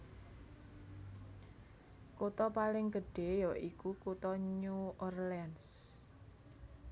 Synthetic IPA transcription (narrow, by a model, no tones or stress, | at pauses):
kot̪ɔpalɪŋɡəɖ̥e̤jɔʔikukut̪ɔɲuɔrlɛns